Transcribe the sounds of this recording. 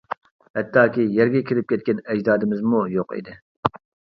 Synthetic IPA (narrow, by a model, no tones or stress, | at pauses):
hɛt̪ʰːɑːkʲijɛɾɡʲɛkʲʰiɾɪp̚kʲʰɛt̪̚kʲɛnɛd͡ʒd̪ɑːd̪ɪmɪzmujoqḭd̪ɪ